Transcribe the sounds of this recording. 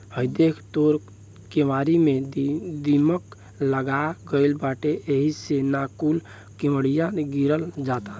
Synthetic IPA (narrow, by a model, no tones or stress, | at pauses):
həjd̪ekʰt̪oɾ | kemaɾimed̪imək | ləɡaɡəɪlbaʈeʔeɦisenakul | kiməɽijãɡiɾəld͡ʒat̪a